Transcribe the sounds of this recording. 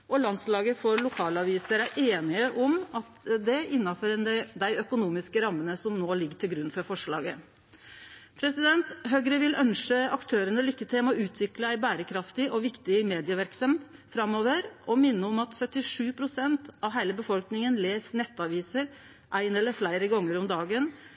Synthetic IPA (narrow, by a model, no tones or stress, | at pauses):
ʔɔlɑnslɑːɡəfɔɾlʊkʰɑːlɑʋiːsəɾæɾʔeːnɪəʔɔmɑt̪d̪ɛɪnːɑføɾnæd̪æɪœkʊnuːmɪskəɾɑmːənəsɔmnoːlɪɡəʈʰɪlɡɾʉnfɔɾfɔʂɭɑ̰ːɡə | pʰɾɛsɪd̪ɛnt̪ɦøɡɾəʋɪlʔœnʂəɑkt̪ʰøːɾənəlʏkːət̪ʰɪlmɔʉːt̪ʰʋɪkləæɪbæːɾəkʰɾɑft̪ɪʔɔʋɪkt̪ɪmeːd̪ɪəʋæɾksɑm | fɾɑmːoːʋəɾʔɔmɪnːəɔmɑt̪sœt̪ːɪʂʉːpʰɾʊsɛnt̪ɑʋɦæɪləbəfɔlknɪŋənleːsnɛt̪ːɑʋiːsəɾ | ʔæɪnɛlːəɾflæɪɾəɡɑŋːəɾɔmd̪ɑːɡən